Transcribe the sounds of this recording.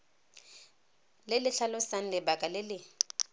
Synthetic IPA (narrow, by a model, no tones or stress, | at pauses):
lɪlɪɬʰalʊsan̩lɪbakʼalɪlɪ